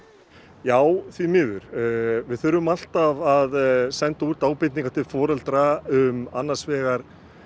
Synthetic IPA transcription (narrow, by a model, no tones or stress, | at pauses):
jaːwθvimɪːðʏ̰ɾ̥vɪðθʏɾʏmal̥t̪avaðsɛnt̪auɾt̪aːwpɪt̪niŋkat̪ʰɪlfɔːɾɛlt̪ɾaʏmanːḁsvɛːɣaɾ̥